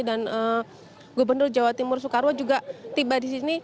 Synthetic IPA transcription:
danə | ɡobərnʊrd͡ʒawat̪imʊrs̬ukaɾwad͡ʒuɡat̪ibadis̬ini

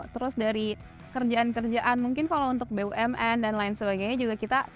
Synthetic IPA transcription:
t̪əɾʊsdaɾi | kərd͡ʒaankərd͡ʒaʔanmuŋkɪnkalaunt̪ʊk̚beuʔɛmɛndanlaɪnsəbaɡajɲad͡ʒuɡakit̪a

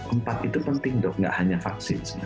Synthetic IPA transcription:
ʔəmpat̪it̪upənt̪ɪŋd̪ɔʔŋɡa̰ʔhaɲafak̚sɪns

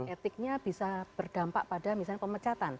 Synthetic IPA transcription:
et̪ɪk̚ɲab̥isabərd̥ampaʔpadamis̬alɲapəmət͡ʃat̪an

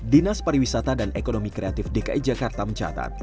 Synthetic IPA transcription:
dinaspaɾiwisat̪adanekonomikɾeat̪ɪfdekaʔid͡ʒakart̪aməɲt͡ʃa̰t̪a̰t̪̚

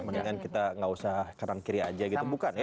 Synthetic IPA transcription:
məniŋankit̪aŋausahkanankiɾiad͡ʒaɡit̪ubukanj

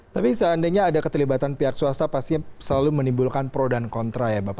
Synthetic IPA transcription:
t̪apisəandajɲaːdakət̪əlibat̪anpiɦak̚suast̪apast̪iɲsəlalumənimbulkanpəɾodankɔnt̪ɾajabapa

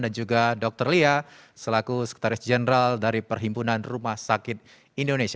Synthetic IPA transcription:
dand͡ʒuɡadɔk̚t̪ərlia | səlakusəki̥t̪aɾɪsd͡ʒɛnəɾaldaɾipərɦimpunanrumahsakɪt̪̚ | indonesia

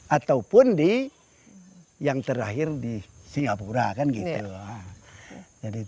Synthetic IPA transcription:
at̪aupʊndi | jaŋt̪əɾaɦɪrdisiŋɡapuɾakanɡit̪ua | d͡ʒadi

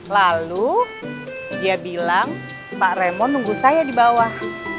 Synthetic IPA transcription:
lalu | diabilaŋ | paʔremɔnːuŋɡusajadibawah

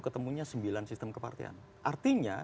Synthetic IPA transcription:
kət̪əmuɲasəmbilansist̪əmkəpa̰rt̪ḭa̰n | ʔart̪iɲa̰

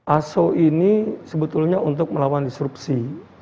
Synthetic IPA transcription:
ʔasoinisəbət̪ulɲaunt̪ʊk̚məlawandisɾupsi

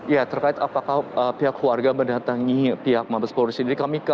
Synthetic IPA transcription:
jat̪ərkaɪt̪apakahəpiɦakluarɡaməndat̪aŋipiɦak̚mabəspoɾisid͡ʒadikamika

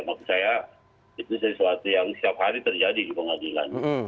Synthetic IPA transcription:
makusaja | it̪usəsuat̪ujaŋsət̪iap̚haɾit̪ərd͡ʒadidipəŋadila̰n

